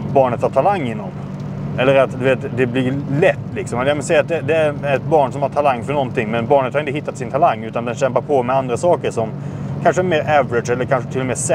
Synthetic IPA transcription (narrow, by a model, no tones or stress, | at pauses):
bɑːɳət̪haʈʰalaŋːɪnːɔm | ɛlːəɾat̪d̪ɵveːt̪d̪ɛblɪlɛt̪ːlɪksɔmɛjamɛnsɛjːat̪̚d̪ɛd̪ɛæɾɛt̪̚bɑːɳsɔmhaʈʰalaŋːfœɳɔnt̪ʰɪŋːmɛnbɑːɳət̪haɾɪnt̪əɦɪt̪ːat̪sɪnt̪ʰalaŋːʉ̟ːt̪and̪ɛnɕɛmpaɾpʰɔmɛand̪ɾasɑːkəɾʂɔmkʰanʂəæɾmeːɾævəɾɪd̪ʂɛlːəɾkʰanʂət̪ʰɪlːɔmɛːsɛ